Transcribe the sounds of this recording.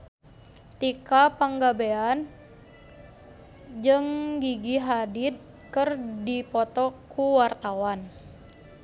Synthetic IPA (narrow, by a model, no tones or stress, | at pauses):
t̪ikapaŋɡabean | d͡ʒɨŋɡiɡiɦadit̪̚ | kɨrdipɔt̪ɔkuwart̪awan